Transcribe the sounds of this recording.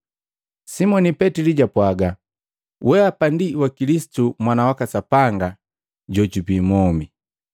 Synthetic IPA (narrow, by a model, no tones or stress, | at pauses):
simɔnipɛtiliɟapwaɡa | wɛapandiwakilisi̥tumwanawakasapaŋɡa | ɟɔɟubiːmɔmi